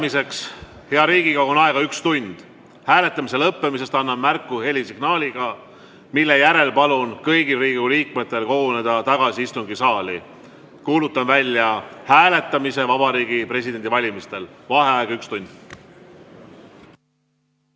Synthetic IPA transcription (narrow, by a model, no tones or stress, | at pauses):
mise̞ks | he̞ɑɾiːɡ̥ikɑkonɑe̞ɡ̥ɑykst̪unʲd̪̥ | hæːle̞t̪ːˑɑmise̞lɤpːe̞mise̞st̪ɑnːɑmmærkːˑuhe̞lisiɡ̥nɑːlʲiɡ̥ɑ | milːe̞jæɾe̞lpɑlunkɤjɡilriːɡuliːkmet̪ːˑe̞lko̞ɡune̞d̪ɑt̪ɑɡ̥ɑsiist̪uŋɡisɑːli | kuːlut̪ːˑɑnvælʲːjɑhæːle̞t̪ˑːɑmise̞vɑb̥ɑɾiːɡipɾre̞s̬id̪̥end̪ivɑlʲimist̪e̞lvɑɦe̞ɑeɡ̥ɑykst̪unʲd̪̥